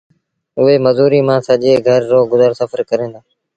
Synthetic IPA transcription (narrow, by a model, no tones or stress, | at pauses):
ʊɦeːməzuːɾiːmãːsəʄeːɡʱəɾːoːɡʊzəɾsəfəɾkəɾẽːnd̪aː